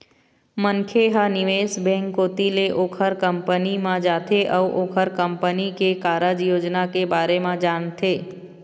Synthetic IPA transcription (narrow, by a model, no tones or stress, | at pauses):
məŋkʰeɦanɪʋeːsbɛ̃ːŋkːoːt̪ileʔoːkʰəɾkə̃mpənimãd͡ʒaːt̪ʰeʔɔʋʔoːkʰəɾkə̃mpənikekaːɾəd͡ʒjoːd͡ʒnakebaːɾemãd͡ʒaːnt̪ʰeː